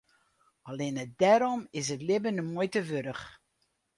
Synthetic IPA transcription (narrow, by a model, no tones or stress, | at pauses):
ɑlenət̚dɛɾɔmɪs̬ətlɪbənəmujtəʋøɾəχ